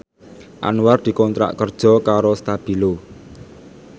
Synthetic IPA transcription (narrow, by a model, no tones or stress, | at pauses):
ʔa̰nuward̪̥i̤kɔnt̪ɾa̰ʔkərd̥ʒ̥ɔ̤kaɾost̪ab̥i̤lo